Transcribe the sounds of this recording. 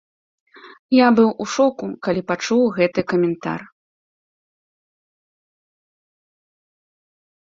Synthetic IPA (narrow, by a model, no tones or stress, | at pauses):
jabɨwʔuʂɔkukalʲipat͡ʂuwɣɛt̪ɨkɐmʲɛnt̪a̰r